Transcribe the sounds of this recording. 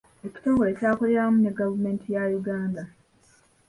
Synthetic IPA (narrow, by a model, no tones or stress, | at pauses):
e̞ci̥to̞ːŋɡolecaːkole̞ɾamune̞ɡavume̞ːntʰijajuɡaːnda